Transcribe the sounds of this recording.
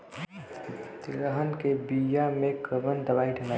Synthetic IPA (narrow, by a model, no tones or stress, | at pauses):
t̪ɾəɦənkebijamẽkəbənd̪əbaːiʈʰela